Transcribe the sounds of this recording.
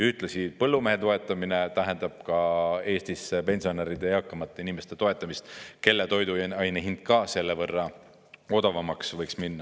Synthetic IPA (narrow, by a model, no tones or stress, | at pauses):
jɑyht̪ˑlesipɤlːume̞ɦe̞t̪o̞e̞t̪ːˑɑmine̞t̪æɦe̞nd̪̥ɑb̥̚kɑe̞ːst̪ispe̞nʲsio̞neɾid̪e̞jɑkˑːɑmɑt̪ːˑeinime̞st̪e̞t̪o̞e̞t̪ːˑɑmist̪ke̞lːet̪o̞jd̪uɑjneɦind̪̚kɑse̞lːevɤrːɑ | o̞d̪̥ɑvɑmɑksvɤjksminːɑ